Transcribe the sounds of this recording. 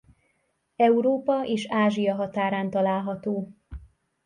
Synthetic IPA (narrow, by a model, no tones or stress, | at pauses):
ɛuɾoːpɒʔeːʃaːʒijɒɦɒt̪aːɾaːnt̪ɒlaːlɦɒt̪oː